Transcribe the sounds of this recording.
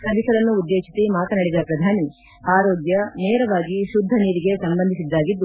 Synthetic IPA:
sɐbisɐɾɐnːuːd̪ːeːʂisimaːk̪ɐnɐɽid̪ɐpɾɐd̪ʱaːni | aːɾoːɡjɐnɛːɾɐʋaːɡiʃud̪ʱːɐniːɾiɡe̞sɐmbɐnd̪ʱisid̪ːaːɡid̪ːu

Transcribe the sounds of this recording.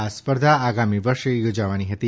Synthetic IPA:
aspəɾd̪ʱaːɡamiʋəɾʃejod͡ʒaʋaniɦət̪i

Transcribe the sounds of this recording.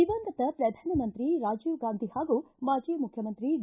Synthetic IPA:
iʋɐnd̪ɐt̪ɐpɾɐd̪ʱaːnɐmɐnt̪ɾiɾaːd͡ʒuʋɡaːnd̪ʱihaːɡumaːd͡ʒijɐmukʰjɐmɐnt̪ɾi

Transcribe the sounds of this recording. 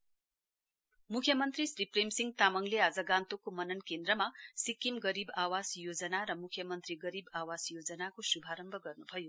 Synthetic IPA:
mukʰjʌmʌnt̪risripremsiŋɡt̪amʌŋlead͡zʌɡãnt̪okomʌnʌnkend̪rʌmasikːimɡʌɾibawasjod͡zʌnaɾʌmukʰjʌmʌnt̪riɡʌɾibawasjod͡zʌnakosubʱaɾʌmbʱʌɡʌrnubʱʌjo

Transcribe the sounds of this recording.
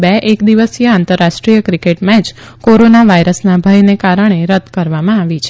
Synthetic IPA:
bɛʔekd̪iʋəsijəãnt̪əɾːaʃʈɾijəkɾikeʈmɛ̃t͡ʃkoɾonaʋaiɾəsnabʱəjnekaɾəɳ̃eɾəd̪kəɾʋamãaʋit͡ʃʰe

